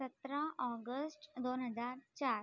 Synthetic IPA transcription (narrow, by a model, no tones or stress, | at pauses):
ət̪ɾãʔɔɡəsʈd̪onɦəd͡zaɾt͡ɕaɾ